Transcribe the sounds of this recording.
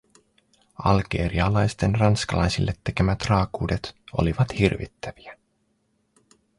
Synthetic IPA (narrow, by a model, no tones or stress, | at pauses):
ɑ̰lɡe̞̰ːɾiɑlɑjst̪enrɑnskɑlɑjsilːet̪ːe̞kemæt̪rɑːkuːdet̪o̰liʋɑt̪hirʋḭt̪ːæʋi̥æ